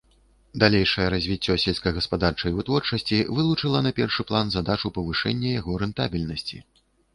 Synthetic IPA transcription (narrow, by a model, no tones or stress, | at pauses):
d̪alʲejʂɐjɛɾazʲvʲit͡sʲːɔsʲɛlʲskɐjɣɐspad̪art͡ʂɐjvɨt̪vɔrt͡ʂɐsʲt͡sʲivɨlˠut͡ʂɨlˠɐnapʲɛrʂɨplˠanzad̪at͡ʂupɐvɨʂɛ̰nʲːɛjaɣɔɾɛnt̪a̰bʲilʲnɐsʲt͡sʲḭ